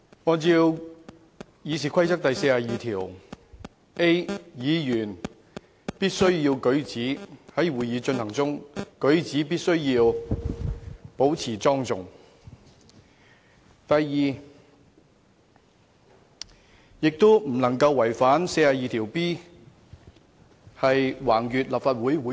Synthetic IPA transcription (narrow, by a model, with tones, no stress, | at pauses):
ŋɔː˨˧t͡si˧w | jiː˨˧siː˨˩kʷʰɐ˥jt͡sɐ˥k̚t̪ɐ˨jse˧jaː˨˧jiː˨t̪ʰiː˨˩w | ʔe˥jiː˨˧jyː˨˩n | piː˥t̚sɵ˥ɥjiː˧wkɵ˨˥ɥt͡siː˨˥hɐ˨˥jwuː˨jiː˨˧t͡ʃɵ˧nhɐ˨˩ŋt͡sʊ˥ŋkɵ˨˥ɥt͡siː˨˥p̬iː˥t̚sɵ˥ɥjiː˧w | po˨˥wt͡sʰiː˨˩t͡sɔː˥ŋt͡sʊ˨ŋ | t̪ɐ˨jːiː˨˩ | jɪ˨k̚t̪o˥m̩˨˩nɐ˨˩ŋkɐ˧wːɐ˨˩jfaː˨˥nse˧jaː˨˩jiː˨˧t̪ʰiː˨˩wpiː˥ | hɐ˨jwaː˨˩ŋjyː˨t̚laː˨p̚faː˧t̚wu˨˥jwuː˨˥